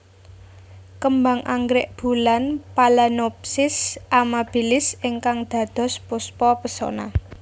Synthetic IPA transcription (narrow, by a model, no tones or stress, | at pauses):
kəmba̤ŋʔa̰ŋɡɾɪʔb̥ṳlanpalanopsɪsamab̥ilɪsɪŋkaŋd̪̥ä̤d̪̥ɔ̤spʊspɔpəsɔ̰na̰